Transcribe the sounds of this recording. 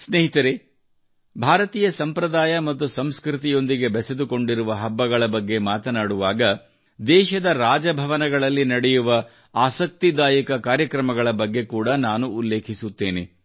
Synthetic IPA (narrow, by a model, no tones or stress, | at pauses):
sneɦit̪ɐɾe | bʱaːɾɐt̪iːjɐsɐmpɾɐd̪aːjɐmɐt̪ːusɐmskɾit̪ijo̞nd̪iɡe̞bɛsed̪uko̞ɳɖiɾuʋɐɦɐbːɐɡɐɭɐbɐɡːe̞maːt̪ɐnaːɽuʋaːɡɐ | d̪ɛːʃɐd̪ɐɾaːd͡ʒɐbʱɐʋɐnɐɡɐɭɐlːinɐɽɛjuʋɐ | aːsɐk̚t̪id̪aːjɐkɐkaːɾjɐkɾɐmɐɡɐɭɐbɐɡːe̞kuːɽɐnaːnuːlːe̞ːkʰisut̪ːe̞ːne̞